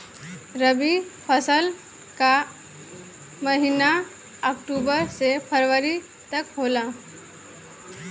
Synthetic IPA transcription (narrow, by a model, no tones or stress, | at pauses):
ɾəbipʰəsəl | ka | məɦina | əkʈubəɾsepʰəɾʋəɾi | t̪əkɦola